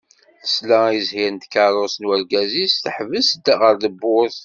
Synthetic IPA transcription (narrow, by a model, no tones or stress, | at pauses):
θə̥slæiəzhiɾnd̪kəɾˤosnwəɾɡæzisθəħvəsəd̪ːaʁəɾðəbːʊɾθ